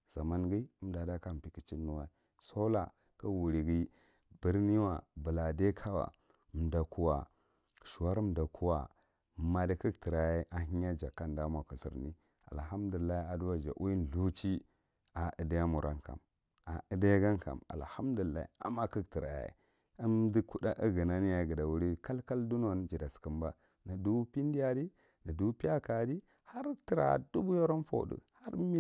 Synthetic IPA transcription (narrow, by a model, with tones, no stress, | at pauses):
z̥a˨ma˦nɡi˦m˦da˨da˦ka˦m˨pi˦ki˨t͡ʃi˦nːu˦wa˦i˨ | so˦la̰˨ | ka˦wu˨ɾi˨ɡi˦ | bə˦ɾni˦wa˨bə˨la˨de˦kʰa˦wa̰˨ | m˨da˨ku˦wa˨ | ʃu˨wa˦ɾm˨da˨kʰu˦wa˨ | ma˦˨di˦ki˦kti˨ɾa˨je˦ʔa˨ɦi˦ɲa˦d͡ʒa˨ka˦nda˦mʷa˨ku˨ɬḭ˨ɾni˦ | a̰˨lɦa˦mdu˨lːa˦i˦a˨du˦wa˦d͡ʒa̰˨ʔu˦i˦n˨ɮu˦t͡ʃi˦ | a˨ʔə˨da˦ja˦mu˨ɾʔa̰˦nka̰˨m | a˨ə˨da˦jɡa˦ŋka̰˨ma̰˨lha˦mdu˨lːa̰˦ḭ˨˦a̰˨ma˦kə˦kti˨ɾa̰˨jḛ˦ | ə˦mdi˦ku˦da˦ʔə˦ɡə˨na˦ni˦ja˨ɡə˨da˨wu˦ɾi˦ka˦lka˦ldu˦no˨n˦d͡ʒi˨da˨skə˨mba˦ | na˨du˦pi˦n˦di˦ja˦di˦ | na˨du˦pi˦ja˦ka˨di˦ | ha˦ɾti˨ɾa̰˨du˦bu˦jo˦ɾo˦nfo̰˨dṵ˨ha˦ɾmi˦